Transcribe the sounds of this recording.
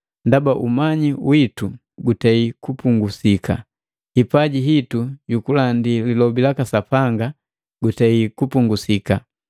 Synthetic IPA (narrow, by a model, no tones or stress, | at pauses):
ndabaʔumaɲiwitu | ɡutɛikupuŋɡusika̰ | hipaɟiɦituɟukulandililɔbilakasapaŋɡa | ɡutaikupuŋɡusika